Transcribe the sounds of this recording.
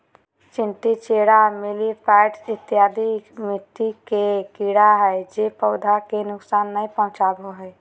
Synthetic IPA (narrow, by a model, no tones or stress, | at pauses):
t͡ʃɪ̃nt̪it͡ʃeːɽamɪlipʰɛɪʈɪt̪ːjaːd̪imɪt̪ːikekiɽaɦɛd͡ʒepəʊd̪ʱakenʊksaːnːəĩpə̃ɦʊ̃t͡ʃaboɦɛ